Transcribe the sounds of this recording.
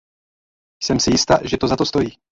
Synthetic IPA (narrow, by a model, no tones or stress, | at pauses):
sɛmsɪjɪst̪aʒɛt̪ozat̪ost̪o̞jiː